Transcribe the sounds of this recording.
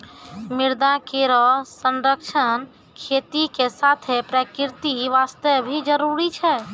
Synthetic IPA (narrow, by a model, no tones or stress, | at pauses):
miɾd̪akeɾɔsə̃nɾəkʃʰən | kʰet̪ikesat̪ʰepɾəkiɾt̪iʋast̪əbʱid͡ʒəɾuɾit͡ʃʰɛ